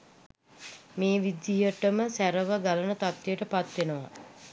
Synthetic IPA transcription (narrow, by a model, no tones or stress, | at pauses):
meːʋid̪ijəʈəməsæɾəʋəɡalənət̪at̪ːejəʈəpat̪ʋenəʋa̰